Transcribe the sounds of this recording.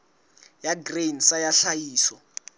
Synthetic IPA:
jaɡrensajaɬajiːsɔ

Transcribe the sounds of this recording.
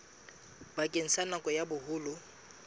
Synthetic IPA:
bakʼeŋ̩sanakʼɔjabʊhʊːlʊ

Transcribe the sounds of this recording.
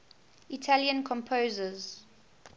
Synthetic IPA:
itʰaljə̃nkʰɔ̃mpʰozəz

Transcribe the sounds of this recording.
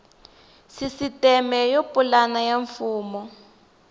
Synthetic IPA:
sisitɛmɛjopulanajaɱfuːmɔ

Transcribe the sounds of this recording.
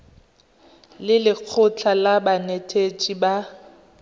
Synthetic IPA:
lɪlɪq͡χʰʊt͡ɬʰalabanetʰet͡ʃʼiba

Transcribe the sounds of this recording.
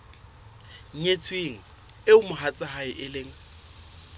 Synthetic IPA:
ŋ̩et͡sʰʼweŋ̩ | ɪʊmʊɦat͡sʼaɦaɪʔɪleŋ̩

